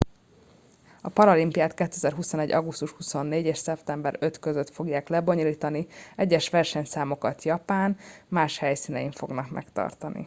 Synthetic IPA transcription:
ɒpɒɾɒlimpijaːt̪kɛt̪ːøɛzɛrɦuso̞nɛɟːɒɡust̪uʃhuso̞nːeːɟeːʃsɛpt̪ɛmbɛɾø̞t̪køzøt̪fo̞ɡjaːklɛbo̞ɲoliːt̪ɒniɛɟːɛʃʋɛrʃɛɲsaːmo̞kɒt̪jɒpaːnmaːʃhɛjsiːnɛjiɱfo̞̰ɡnɒkmʔɛ̰kt̪ɒ̰rt̪ɒnḭ

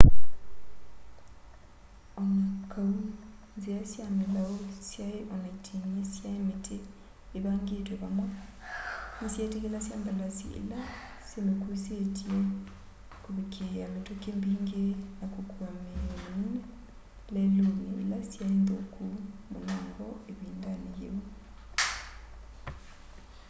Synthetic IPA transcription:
ɔŋkʰau | nzeasjamelaosjaeʔɔnaitʰeniesjaemetʰeː | βaŋɡetwɔβamwa | nesjaetekelasjambalasḭḛla | semekusetie | koβekʰeametokembiːŋɡenakokwamemone | laeloniḛlasjaendo̰kumo̰naːŋɡɔeβiːndanijḛo

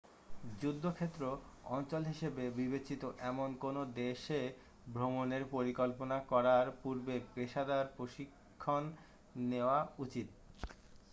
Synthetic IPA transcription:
d͡ʑud̪ʱːokʰet̪ːɾoɔnt͡ɕolɦiʃebebibet͡ɕit̪oʔɛmonkonod̪eʃe | bʱɾomoneɾpoɾikolponakɔɾaɾpuɾbebeʃad̪aɾpɾoʃikʰːonː | eoaut͡ɕit̪̚

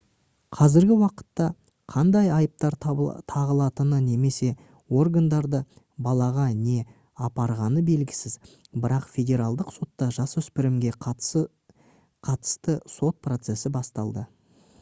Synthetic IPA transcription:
qʰɑzɪɾɡʲɪwɑqə̥t̪ːɑ | qʰɑnd̪ɑjɑjəp̚t̪ɑɾt̪ʰɑʁəlˠɑt̪ənəne̞me̞se̞ | wo̞rɡand̪ɑɾd̪ə | bɑlˠɑʁɑne̞ | ɑpɑɾʁɑnəbe̞lɡʲɪ̥sɪz | bɪɾɑqfʲe̞dʲe̞ɾɑlˠd̪əqso̞t̪ːɑʒɑsʏspɪɾɪmɡʲe | qʰɑt̪ə̥st̪əso̞t̪̚pro̞t̪se̞sɪbɑst̪ɑlˠd̪ə

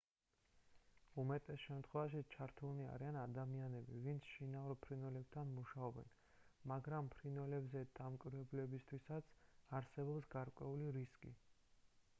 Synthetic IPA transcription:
umɛt̪ʼɛsʃɛmt̪ʰχwɛvaʃ̬it͡ʃʰaɾt̪ʰulnia̰ɾianad̪amianɛbivint̪sʰʃinauɾpʰɾinwɛlɛb̚t̪ʰanmuʃaɔbɛ̰n | maɡɾampʰɾinwɛlɛbzɛd̪̥amkʼwiɾvɛblɛbist̪ʰwisat̪sʰaɾsɛbɔpsɡaɾkʼwɛuliɾiskʼḭ

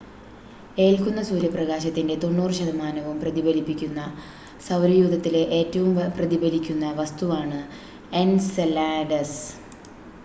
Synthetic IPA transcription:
e̞ːlkunːɐsuːɾjɐprɐɣaːɕɐt̪ːinde̞t̪o̞nːuːrɨɕɐðɐmaːnɐʋumprɐðibɐlipːikʲːunːɐ | sɐwɾɐjuːd̪ɐt̪ːileʔeːtːɐʋumprɐðibɐlikʲːunːɐʋɐst̪uʋaːɳɨ | e̞nslaːɖɐs

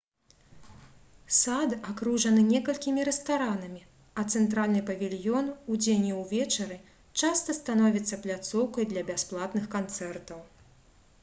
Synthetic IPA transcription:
sad̪akɾuʐɐnɨnʲɛkɐlʲkʲimʲiɾɛst̪aɾanɐmʲi | ɐt̪sɛnt̪ɾalʲnɨpɐvʲilʲjɔnud͡zʲenʲiwvʲɛt͡ʂɐɾɨ | t͡ʂast̪ɐst̪anɔvʲit̪sːɐplʲat̪sɔwkɐjd̪lʲɐbʲasplˠat̪nɨxkant̪sɛrt̪ɐw

